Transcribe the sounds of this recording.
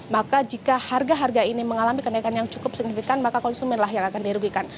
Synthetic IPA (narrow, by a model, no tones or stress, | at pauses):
makad͡ʒikaharɡaɦarɡainiməŋalamikənaikanjaŋt͡ʃu̥kʊpsik̚nifikanmakakɔnsumɛnlaɦjaŋakandiɾuɡikan